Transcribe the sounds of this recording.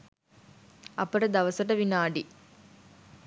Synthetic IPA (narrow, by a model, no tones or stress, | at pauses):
ɐpːɐɽɐd̪ɐʋɐsɐʈɐʋinaːɖi